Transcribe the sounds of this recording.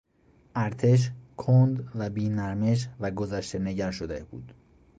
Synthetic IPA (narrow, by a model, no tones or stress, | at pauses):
ʔæɾt̪ʰe̞ʃ̬kʰond̪væbiːnæɾme̞ʃ̬væɡozæʃt̪e̞ne̞ɟæɾʃod̪ḛb̥ṵːd̪̥